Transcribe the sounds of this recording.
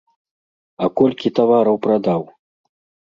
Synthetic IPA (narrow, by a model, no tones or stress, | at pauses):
ɐkɔlʲkʲit̪avaɾɐwpɾad̪aw